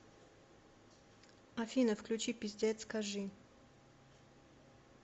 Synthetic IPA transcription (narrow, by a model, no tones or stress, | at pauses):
afʲinəfklʲut͡ɕipʲizʲd̪ʲɛt̪skaʐɨ